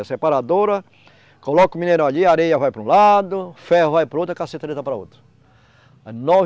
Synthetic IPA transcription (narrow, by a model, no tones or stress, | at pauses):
ɐsepaɾad̪oɾɐ | kolɔkʊ̃mĩneɾɐ̃w̃aʎiaɾejɐvajpɾũlad̪ʊfɛhʊvajpɾʊot̪ɾʊkaset̪ɾet̪ɐpɾɐot̪ɾʊ̥ | nɔ